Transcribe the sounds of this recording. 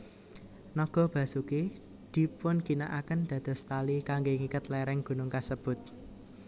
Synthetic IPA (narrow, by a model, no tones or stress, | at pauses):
nɔɡ̥ɔ̤b̥ä̤suke | d̪̥i̤pʊnɡ̥inaʔakənd̪̥ä̤d̪̥ɔ̤st̪alikaŋɡeŋikət̪lɛɾɛŋɡ̥ṳnʊŋkasəb̥ʊ̤t̪̚